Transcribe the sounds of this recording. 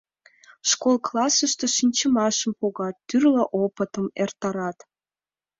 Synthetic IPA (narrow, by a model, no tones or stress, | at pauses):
ʃkolˠklɑsəʃt̪oʃinʲt͡ɕə̆mɑʃə̆mpoɣɑt̪ːyrləʔopə̆t̪ə̆mert̪ɑɾɑt̪